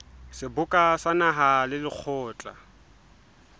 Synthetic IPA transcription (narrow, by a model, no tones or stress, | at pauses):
sɪbʊkʼasanaɦalɪlɪk͡xʰɔːt͡ɬʼa̰